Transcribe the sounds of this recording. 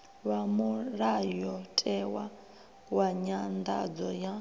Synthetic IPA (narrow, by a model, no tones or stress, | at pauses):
βamuɺajɔtʼɛwa | waɲand̪a̰d͡zɔja